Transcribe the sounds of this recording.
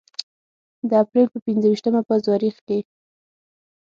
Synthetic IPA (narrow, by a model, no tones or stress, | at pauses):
d̪əapɾelpəpinzəwiʃt̪əmapəzɑɾixke